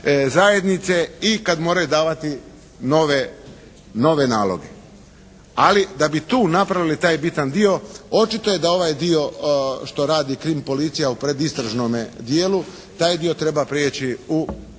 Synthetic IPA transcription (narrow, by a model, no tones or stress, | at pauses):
zaje̞d̪nit̪se̞ikad̪moːɾajud̪aːʋat̪i | noʋe | no̞ʋe̞naːlˠo̰ɡe | alid̪abit̪uːnapɾaʋilit̪aːjbit̪and̪io̞o̞t͡ʃit̪o̞je̞d̪ao̞ʋajd̪io̞ʃt̪o̞ɾaːd̪ikɾimpo̞lit̪sijaupɾe̞d̪ist̪ɾaʒnomed̪jeːlu | t̪aːjd̪io̞t̪ɾe̞bapɾjeːt͡ɕiu